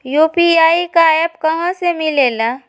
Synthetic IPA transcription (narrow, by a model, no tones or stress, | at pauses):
juːpiaːikajəbkɐɦãsemɪleːla